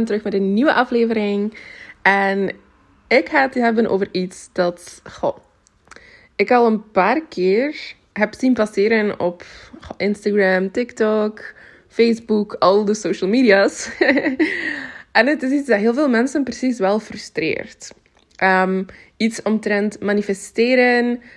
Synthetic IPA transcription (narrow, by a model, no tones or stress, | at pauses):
ntəɾɵxmɛdənniwəʔɑfleːvəɾɪŋɛn | ɪkhaːətɦɛbənʔo̰ːvəritsd̥ɑtχo̰ | ɪkɑlˠənpaːrkʰɪːr | ɦɛpsinpasɪːɾənɔpːʔɪnstaɡɹɛmtɪktɔk | feːzbukɑlˠdəsoːʃəlˠmidias | ʔɛnətɪs̬isdɑtɦeːlˠveːlˠmɛnsənprəsisʋɛlˠfrʏstrḛːrt | ʔəm | itsɔmtɾɛntmanifɛsteːɾən